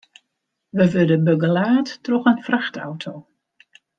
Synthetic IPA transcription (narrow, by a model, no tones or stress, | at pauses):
ʋəʋødəbøɡəlaːtːrɔxənfraxta̰wtʰow